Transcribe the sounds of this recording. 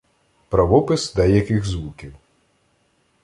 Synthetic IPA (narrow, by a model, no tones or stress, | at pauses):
pɾɐʋɔpɪsd̪ɛjɐkɪɣzʋukʲiw